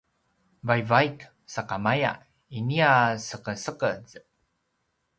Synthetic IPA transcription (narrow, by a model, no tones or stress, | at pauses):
vajvajk | saqamaja̰ | iniasəkəsəkəz